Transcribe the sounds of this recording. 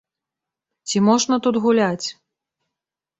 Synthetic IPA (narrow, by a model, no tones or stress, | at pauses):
t͡sʲimɔʐnɐt̪ut̪ɣulʲat͡sʲ